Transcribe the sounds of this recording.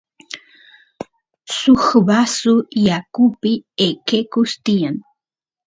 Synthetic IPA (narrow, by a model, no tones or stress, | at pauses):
sʊxbasʊjakʊpɪekekʊst̪ijan